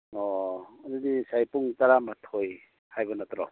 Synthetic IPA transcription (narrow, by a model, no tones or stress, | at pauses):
ɔanidisajpuŋtaɾamatʰoj | hajbɔnatɔɾɔ̰